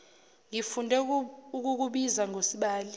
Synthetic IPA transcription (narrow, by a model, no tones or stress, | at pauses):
ŋifundʱɛuk̬uk̬uɓizaŋosiɓaːli